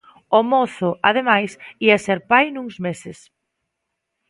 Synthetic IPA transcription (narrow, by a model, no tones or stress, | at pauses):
omoθʊʔað̞emajsiaseɾpajnuŋzmesɪs